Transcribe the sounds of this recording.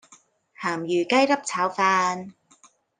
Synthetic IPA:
haː˨˩mjyː˨˩kɐ˥jlɐ˥p̚t͡sʰaː˨˥wfaː˧n

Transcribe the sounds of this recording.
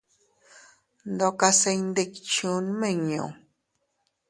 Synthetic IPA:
nd̪o˧ka˧se˧ɲnd̪e˦kt͡ʃu˨˦nmẽ˦˨ɲõ̰˨

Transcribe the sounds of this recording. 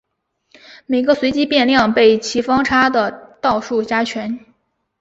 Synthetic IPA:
me˨˩ɪɡə˧swe˧˥ɪt͡ɕi˥pjɛ˥˧nljɑ˥˧ŋpe˥˩ɪt͡ɕʰi˧˥fɑ˥ŋʈ͡ʂʰa˥d̪ə˨t̪ɑ˥˧ʊʂu˥˩t͡ɕja˥t͡ɕʰɥɛ˧˥n

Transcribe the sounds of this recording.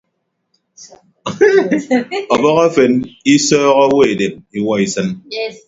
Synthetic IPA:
ɔ˨bɔ˦ɣa˦fe˨ni˦sɔː˦ɣɔ˦we˦e˨de˨mi˨wɔ˦i˨sɨ˦n

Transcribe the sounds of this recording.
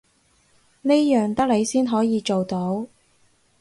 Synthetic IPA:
ne˥jjœː˨˩ŋt̪ɐ˥k̚le˨˧jsiː˥nɦɔː˨˥jiː˨˧t͡ʃo˨wt̪o˨˥w

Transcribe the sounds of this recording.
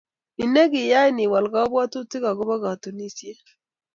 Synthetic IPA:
i˨ne˦ɡi˨ja˦i˦ni˨wa˨lɡa˦bwa˦tu˦ti˦ɡa˨ɡʊ˦ba˦ɡa˨tu˨ni˦si˦e˦

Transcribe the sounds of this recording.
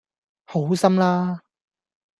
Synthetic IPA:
ho˨˥wsɐ˥mlaː˥

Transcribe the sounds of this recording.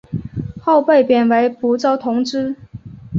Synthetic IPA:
xo˥˧ʊpe˥˩ɪpjɛ˨˩nwe˧˥ɪpu˧˥t͡sɑ˥ʊt̪ʰʊ˧˥ŋʈ͡ʂɻ̩˥

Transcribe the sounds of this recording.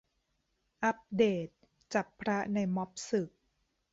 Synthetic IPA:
ʔa˦˥p̚deː˨˩t̪̚ | t͡ɕa˨˩pʰːɾa˦˥na˧jmɔ˦˥p̚sɯ˨˩k̚

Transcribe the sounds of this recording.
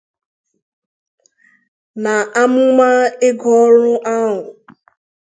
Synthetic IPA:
na˨ʔa˦mʊ˦ma˦ɪ˦ɡɔ˦ɾʊ˦ʔa˦ɦʊ˨

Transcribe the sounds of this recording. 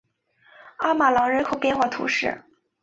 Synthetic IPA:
a˥ma˨˩lɑ˧˥ŋɻə˧˥nkʰo˨˩ʊpjɛ˥˧nxwa˥˩t̪ʰṵ˧˥ʂɻ̩̰˥˩

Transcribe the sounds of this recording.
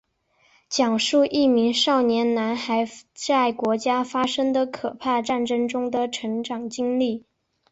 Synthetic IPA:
t͡ɕjɑ˨˩ŋʂu˥˧ʔi˥˩mi˧˥ŋʂɑ˥˩ʊnjɛ˧˥nna˧˥nxa˧˥ɪt͡sa˥˩ɪkwɔ˧˥t͡ɕja˥fa˥ʂɤ˥ŋd̪ə˨kʰɤ˨˩pʰa˥˧ʈ͡ʂa˥˩nʈ͡ʂɤ˥ŋʈ͡ʂʊ˥ŋd̪ə˨ʈ͡ʂʰɤ˧˥ŋʈ͡ʂɑ˨˩ŋt͡ɕi˥ŋli˥˩

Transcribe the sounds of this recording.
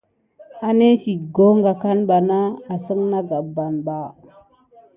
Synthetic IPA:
a˦ne˦si˨tɡo˦ŋɡa˨ka˦nɓa˨na˦a˨sə˦ŋna˦ɡa˨ba˨nba˨

